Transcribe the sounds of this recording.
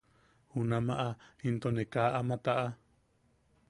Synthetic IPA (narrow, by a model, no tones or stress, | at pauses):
hunãmãʔaint̪onekaʔamãt̪aʔa